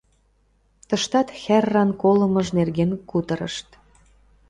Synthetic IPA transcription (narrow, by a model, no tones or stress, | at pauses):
t̪əʃt̪ɑt̪xærːɑnkolə̆məʒnerɣenkut̪ə̆ɾə̰ʃt̪